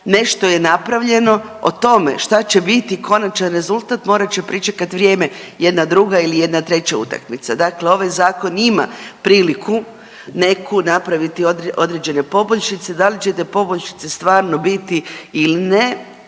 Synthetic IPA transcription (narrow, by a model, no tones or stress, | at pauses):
ne̞ʃt̪o̞je̞napɾaʋʎe̞no̞ | o̰t̪o̞me̞̰ʃt̪at͡ɕe̞bit̪iko̞nat͡ʃanɾe̞zulˠt̪aːt̪mo̞ːɾat͡ɕe̞pɾit͡ʃekat̪ʋɾʲje̞ːme̞jed̪nad̪ɾuɡailije̞d̪nat̪ɾe̞t͡ɕaṵt̪a̰kmit̪sad̪akleo̞ʋajzaːko̞nima̰pɾiːlikʰu | ne̞kunapɾaʋit̪iod̪ʔo̞d̪ɾed͡ʑe̞ne̞po̞boʎʲʃit̪sed̪alit͡ɕet̪epo̞boʎʃi̥t̪sest̪ʋaːɾno̞bit̪iiline